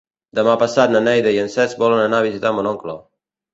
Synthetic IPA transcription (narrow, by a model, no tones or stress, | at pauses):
d̪əmapasat̪nənɛjðeiənsɛzbɔlənənaβ̞izit̪amonɔŋklo